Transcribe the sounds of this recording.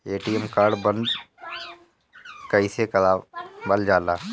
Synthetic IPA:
eːʈiːɛmkaːɾɖbənd̪ | kɐisekɐlaːbəld͡ʒaːlaː

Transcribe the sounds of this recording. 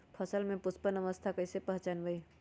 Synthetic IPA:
pʰəsəlmẽpʊspənəʋəst̪ʰakəɪsepəɦt͡ʃanbəi

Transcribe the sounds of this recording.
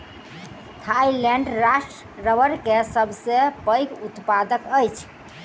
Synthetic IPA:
t̪ʰajlɛɳɖɾasʈɾ | ɾəbəɾkesəbʱsepəjkut̪pad̪əkəjt͡ʃʰ

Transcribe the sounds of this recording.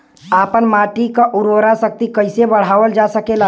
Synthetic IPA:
aːpənmaːʈikaʔʊɾʋɾasək̚t̪ikəɪsebəɽ̤aːʋəld͡ʒaːsəkela

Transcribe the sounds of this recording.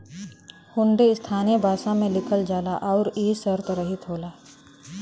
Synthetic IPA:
hʊ̃ɳɖeɪst̪ʰaːnebʱaːsãmẽlɪkʰəld͡ʒaːlaʔɔːɾiːsəɾt̪ɾəɦɪt̪ɦoːlaː

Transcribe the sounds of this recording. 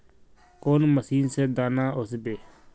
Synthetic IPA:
koːnməsiːnsed̪aːnaːʊsbeː

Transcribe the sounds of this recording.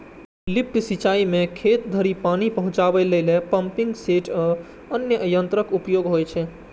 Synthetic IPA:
lip̚ʈ̪sit͡ʃaimekʰet̪̚d̪ʱəɾipanipəɦũt͡ʃabɛleɪlepəmpiŋɡseʈʰ | ənjəʔəjənt̪ɾəkupjoɡɦojt͡ʃʰɛ

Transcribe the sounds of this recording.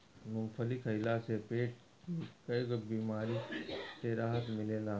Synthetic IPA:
mʊmfʰəlɪkʰəɪlasepeːʈ̚ | kikɐkbiːmaːɾiseɾaːɦət̪mɪleːlaː

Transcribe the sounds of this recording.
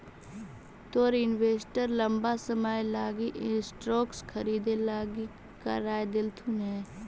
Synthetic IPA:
t̪oːɾɪnweːsʈəɾlə̃mbasəmaːjlaːɡiʔsʈɾoːkskʰəɾiːd̪elaːɡi | ka̰ɾaːjd̪ɪlt̪ʰunɦɛː

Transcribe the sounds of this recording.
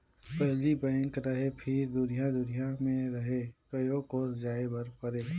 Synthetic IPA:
pɛɦlibɛ̃ːŋkɾɐɦepʰɪɾd̪ʊnijãd̪ʊnijamẽɾɐɦekɐjokoːsd͡ʒaːebɐɾpəɾeː

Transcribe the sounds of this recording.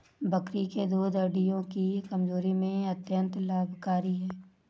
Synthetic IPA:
bəkɾiked̪uːd̪əɖijõkikəmzoːɾimẽɐt̪jə̃nt̪laːbʱkaːɾiɦɛː

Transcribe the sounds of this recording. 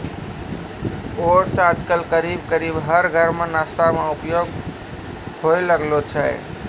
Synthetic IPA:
oɾsad͡ʒkəlkəɾibkəɾibɦəɾɡʱəɾmenast̪ameupjoɡ | hojləɡlot͡ʃʰəj

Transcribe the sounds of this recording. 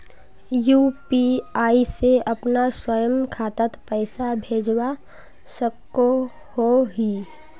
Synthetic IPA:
juːpiaːiseəpnaswəjəmkʰaːt̪ət̪pəɪsabʱeːd͡ʒwa | səkːo | hoɦi

